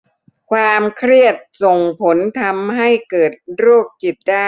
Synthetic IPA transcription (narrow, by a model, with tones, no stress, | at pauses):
kʰwaː˧mkʰɾi˥˩ət̪̚so˨˩ŋpʰo˩˦nt̪ʰa˧mɦa˥˩jkɤː˨˩t̪̚ɾuː˥˩k̚ːi˨˩t̪̚daː˥˩